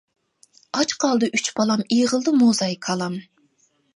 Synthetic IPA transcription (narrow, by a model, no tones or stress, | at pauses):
ɑt͡ʃqʰɑlˠd̪ɨʔyt͡ʃbɑlˠɑmijʁəlˠd̪ɨmozɑjkʰɑlˠɑm